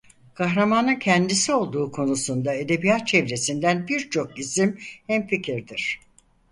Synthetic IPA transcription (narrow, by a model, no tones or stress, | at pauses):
kʰaɦɾamanɯncʰɛnd̪isio̞lˠd̪uːkʰo̞nusund̪ae̞d̪e̞bijat̪̚t͡ʃʰɛvɾe̞sind̪ænbiɾt͡ʃʰo̞k̚isimhɛmficʰiɾd̪iɾ̥